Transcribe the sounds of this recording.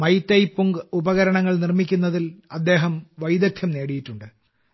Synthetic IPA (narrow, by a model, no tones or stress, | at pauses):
mɐjt̪ːɐjpːuŋɡubɐɣɐɾɐɳɐŋːɐɭnirmikʲːunːɐðilɐd̪ːe̞ːɦɐmʋɐjd̪ɐk̚t̪ʰjɐmne̞ːɽijitːuɳɖɨ